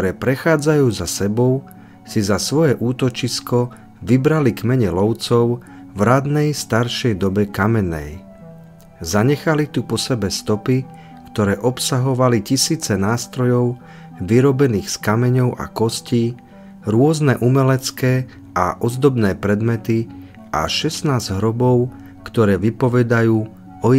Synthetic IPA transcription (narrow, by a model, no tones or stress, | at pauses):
ɔɾɛːpɾɛxaːd͡zajuːzasɛbɔʊ | sizasʋɔjɛʔuːt̪ɔt͡ʃiskɔ | ʋibɾalikmɛɲɛlɔʊt͡sɔʊ | vɾad̪nɛjst̪aɾʃɛjd̪ɔbɛkamɛnɛ̰j | zaɲɛxalit̪upɔsɛbɛst̪ɔpi | kt̪ɔɾɛːʔɔpsaɦɔʋalicisiːt͡sɛnaːst̪ɾɔjɔʊ | ʋiɾɔbɛniːxskamɛɲɔʊʔa̰kɔsciː | ɾʊɔznɛʔumɛlɛt͡skɛː | a̰ʔɔzd̪ɔbnɛːpɾɛd̪mɛt̪i | ʔa̰ʃɛsnaːzɟɦɾɔbɔʊ | kt̪ɔɾɛːʋipɔʋɛd̪ajuː | ɔ